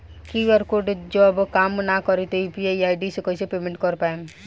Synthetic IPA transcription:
kiəɾkoɖd͡ʒɔbkaːmnakɔɾet̪oipiaiaːjɖisekɔisepeːmẽɳʈkəɾpae

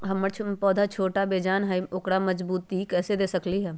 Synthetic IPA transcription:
ɦɐmːət͡ʃʰpɔːd̪ʱat͡ʃʰoːʈabeːd͡ʒaːnɦaiokɽamɐd͡ʒbuːt̪ikɛːsed̪eːsɐkliɦɛː

